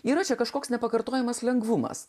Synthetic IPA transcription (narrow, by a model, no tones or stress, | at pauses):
iːɾɐt͡ʃʲɛkɐʃkoːksnʲɛpɐkɐɾt̪oːjɛmɐslʲɛŋɡʋʊmɐ̰s